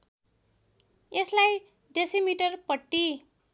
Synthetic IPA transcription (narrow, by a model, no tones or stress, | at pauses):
eslaj | ɖesimiʈʌrpʌʈːi